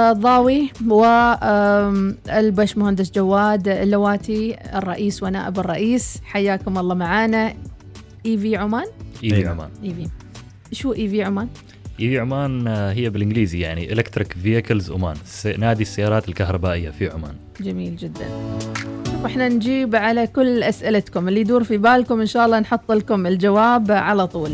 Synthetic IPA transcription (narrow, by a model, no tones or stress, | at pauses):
ðˤɑːwiwɪ | ɪlbaːʃmʊhand̪ɪsd͡ʒawːaːd̪lːawaːt̪iɪrˤːɑʔiːswana̰ːʔɪbɨrˤːɑʔiːsħajːaːkʊmɑlˤːɑːmaʕaːna | ʔiːviʕʊmaːnʔiːiʕʊ̰ma̰ːnʔiːvi | ʃuːʔiːviːʕʊmaːn | ʔiːviːʕʊmaːnɦɪjːabɪlʔɪnɡliːzijaʕniʔɪ̰lekt̪ɾɪkvijakɪlzʔʊ̰ma̰ːnsnaːd̪isːajːɑːɾˤɑːt̪ɪlkahɾˤɑbaːʔɪjːafiʕʊma̰ːn | d͡ʒamiːld͡ʒɪd̪ːa̰n | fʔɪħnand͡ʒiːbʕalakʊlːʔasʔɪlat̪kʊmɪlːijd̪uːɾfibaːlkʊmʔɪnʃaːʔɑlˤːɑnħʊt̪ˤːlkʊmɪld͡ʒawaːbʕalat̪ˤuːl